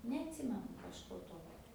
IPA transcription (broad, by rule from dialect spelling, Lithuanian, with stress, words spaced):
nʲɛɐtʲˈsʲɪmʲɛnʊ kɐʃˈkoː ˈtoːkʲoː